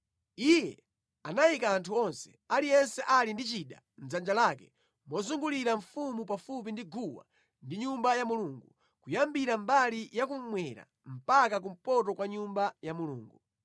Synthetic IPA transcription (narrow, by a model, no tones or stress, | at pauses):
ijɛ̰ | anaikaːntʰuɔnsɛ̥ | alijɛnsɛʔalindit͡ʃiɗa̰ | n̩zand͡ʒalaːkɛ | mɔzuŋɡuliɾaɱfumupafup̬indiɡuwa̰ | ndiɲumbajamuluːŋɡu | kujambiɾambalijak̬um̩mwɛɾa̰ | m̩pakak̬um̩pɔtɔkwaɲumbajamulṵːŋɡu